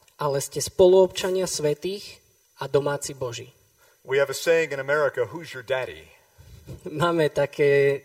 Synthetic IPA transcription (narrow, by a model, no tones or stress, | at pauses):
ʔalɛscɛspɔluɔpt͡ʃaɲɪasʋɛt̪iːx | ad̪ɔmaːt͡sibɔʒi | wiɨvɨseɪɪ̃ŋɨ̃ɾ̃nəmɛɹɨkəhuzjə˞dɛɾḭ | maːmɛt̪akʰɛː